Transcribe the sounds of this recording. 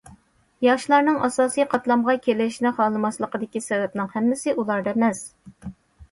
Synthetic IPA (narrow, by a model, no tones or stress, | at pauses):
jɑʃlˠɑɾnɨŋʔɑsɑːsijqʰɑt̪lˠɑmʁɑkʲʰelɪʃnɪχɑːlˠɨmɑslˠəqəd̪ɪkʲisɛvɛp̚nɪŋhɛmːɪsɪʔulˠɑɾd̪ɑmɛs